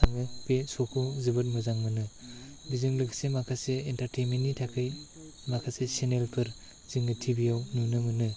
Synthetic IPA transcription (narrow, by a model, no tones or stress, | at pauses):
aŋɯpesokʰozɯbɯt̚mɯzaŋmɯnɯbizɯŋlɯkʰsemakʰaseintaɾtʰejminːitʰakʰɯj | makʰasesenelpʰɯɾ | z̥iŋɯtʰibijawnunɯmɯnɯ